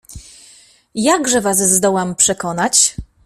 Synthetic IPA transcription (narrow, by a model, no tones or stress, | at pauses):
jaɡʐɛvaszd̪ɔwampʂɛkɔnat͡ɕ